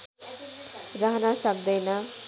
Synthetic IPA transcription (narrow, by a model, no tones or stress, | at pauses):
rʌɦnasʌbd̪ʌjnʌ